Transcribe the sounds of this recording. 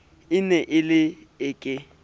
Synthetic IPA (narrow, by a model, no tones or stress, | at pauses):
ɪnɛʔɪlɪɪkʼɪ